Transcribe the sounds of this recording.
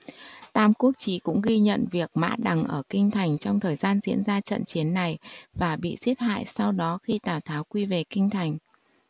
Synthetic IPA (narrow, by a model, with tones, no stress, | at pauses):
t̪aː˧mku˦˥ək̚t͡ɕi˨˦kʊ̰˧˥ŋ͡mɣi˧ɲə̰˧˨nvi˨˩ək̚ma̰ː˧˥ɗa˨˩ŋʔəː˧˩kï˧ŋ̟t̪ʰa˨˩jŋ̟t͡ɕɔ˧wŋ͡mt̪ʰəː˨˩jzaː˧nzḭ˧˥ənzaː˧t͡ɕə̰˧˨nt͡ɕi˨˦ənːa˨˩jvaː˨˩ɓḭ˧˨zi˦˥ət̚ha̰ː˧˨jsa˧wɗɔ˨˦xi˧t̪aː˨˩wt̪ʰaː˨˦wkwi˧ve˨˩kï˧ŋ̟t̪ʰa˨˩jŋ̟